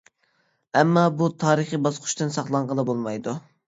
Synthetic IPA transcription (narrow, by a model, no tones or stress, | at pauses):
ɛmːɑbut̪ʰɑːɾəχibɑsqʰʊ̥ʃt̪ɨnsɑχlˠɑɴʁɑlˠɑbolˠmɑjd̪u